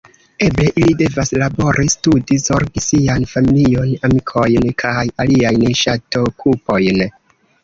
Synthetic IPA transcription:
e̞ble̞ʔilide̞vaslabo̞ɾʔistudizo̞ɾɡisianfamilio̞namikʰo̞jnkʰajaliajnʃato̞kʰupo̞jn

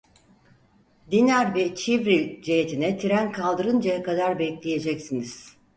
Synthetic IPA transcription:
d̪inæɾvɛt͡ʃʰivɾilʲd͡ʒejet̪ʰinɛt̪ʰiɾænkʰalˠd̪ɯɾɯnd͡ʒajakad̪aɾbɛclʲeje̞d͡ʒɛcsiniz̥

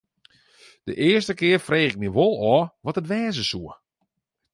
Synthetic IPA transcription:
d̥əʔɪəstəkɪərfreːxɪk̚miʋolˠɔːʋɔtətʋɛːzəsuə

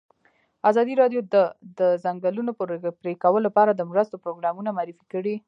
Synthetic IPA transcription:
azɑd̪iɾɑɖjod̪əd̪əzaŋɡalunoppɾekawəlːapɑɾad̪əmɾəst̪opɾoɡɾɑmunamaːɾifi̥kəɽi

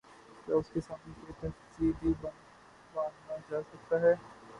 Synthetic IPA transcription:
kaːʊskesaːmnekeːt̪ɛsibʱibɐ | baːnd̪nad͡ʒaːsɐk̚t̪aɦɛː

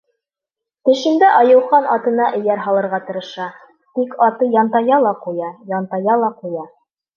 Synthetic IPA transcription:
t̪ɘ̆ʃɘ̆nd̪æʔɑjɤ̆wχɑnɑt̪ɤ̆nɑʔɘ̆jæɾɦɑlˠɤ̆ɾʁɑt̪ɤ̆ɾɤ̆ʃɑ | t̪ikɑt̪ɤjɑnt̪ɑjɑlˠɑqujɑjɑnt̪ɑjɑlˠɑqujɑ

